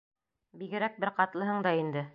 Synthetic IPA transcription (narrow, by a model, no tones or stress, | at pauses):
biɡɘ̆ɾæk̚bɘɾqɑt̪lˠɤ̆ɦɤɴd̪ɑind̪ɘ